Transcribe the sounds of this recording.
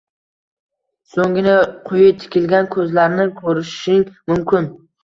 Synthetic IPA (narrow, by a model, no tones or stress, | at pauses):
soŋɡʲɪnɪqʰʊjɪt̪ʰɪ̥kʲʰɪlɡʲankʰɵzlaɾnɪkʰɵɾɪʃɪŋmʊmkʰʲɪn